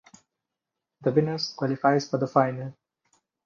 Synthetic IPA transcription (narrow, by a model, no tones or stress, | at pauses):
d̪əbɪnəskwɔlɪfaɪzfɔɾd̪əfaɪnəl